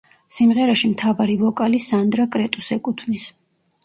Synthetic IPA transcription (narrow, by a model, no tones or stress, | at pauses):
simʁɛɾaʃimt̪ʰavaɾivɔkʼalisand̪ɾakʼɾɛt̪ʼusɛkʼut̪ʰnis